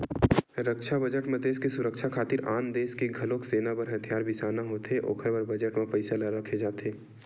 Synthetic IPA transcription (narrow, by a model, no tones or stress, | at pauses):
ɾəkʃʰabɐd͡ʒəʈmẽd̪eːskesʊɾəkʃʰakʰaːt̪ɪɾaːnd̪eːskeɡʱɐloːkseːnapɐɾɦɐt̪ʰijaːɾbɪsaːnaɦoːt̪eʔo̰ːkʰəɾbɐɾbɐd͡ʒəʈmẽpɐɪsalaɾɐkʰed͡ʒaːt̪ʰeː